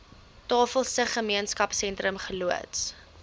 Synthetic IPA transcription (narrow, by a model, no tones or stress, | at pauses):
tɑːfəlˠsəχəmiənskɐpsɛntrəmχəluə̰ts